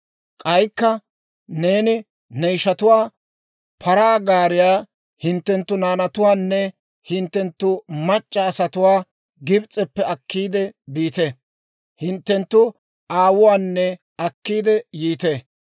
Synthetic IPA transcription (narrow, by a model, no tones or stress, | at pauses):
kʼɐjkːɐ | ne̞ːnɪ | nɛjʃɐt̪ʊwaː | pʰɐɾaːɡaːɾɪjaː | hɪnt̪ːɛnt̪ːʊnaːnɐt̪ʊwaːnːɛ | hɪnt̪ːɛnt̪ːʊmɐt͡ʃʼːɐːsɐt̪ʊwaː | ɡɪbt͡sʼːɛpːɛɐkːiːd̪ɛbiːt̪ɛ | hɪnt̪ːɛnt̪ːʊ | ʔaːwʊwaːnːɛ | ɐkːiːd̪ɛjiːt̪eː